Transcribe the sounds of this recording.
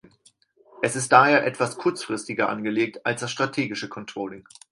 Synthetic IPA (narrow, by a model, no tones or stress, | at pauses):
ʔɛsɪst̚d̥aːɦeːɐʔɛtv̥askʰʊɐt͡sfʁ̥ɪstɪɡɐʔa̰nɡəleːk̚talsd̥asʃtʁ̥atʰeːɡɪʃəkʰɔntʁ̥ɔːlɪŋ